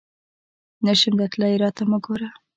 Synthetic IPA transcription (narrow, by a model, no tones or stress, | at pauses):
naʃʊmd̪at̪lajɾɑt̪amʊɡoɾa